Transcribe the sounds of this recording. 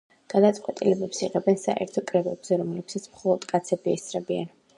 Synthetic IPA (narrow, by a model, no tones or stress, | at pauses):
ɡ̥ad̪at̪sʼqʼwɛt̪ʼilɛbɛpsiʁɛbɛnsaʔɛ̰ɾt̪ʰɔkʼɾɛbɛbz̥ɛɾɔmlɛpsat̪sʰmχɔlˠɔd̪kʼat̪sʰɛbiɛstsɾɛbia̰n